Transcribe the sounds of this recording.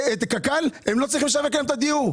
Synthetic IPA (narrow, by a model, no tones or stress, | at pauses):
et̪kakalhemlo̞t͡sʁiχimleʃavekaemt̪ad̪iu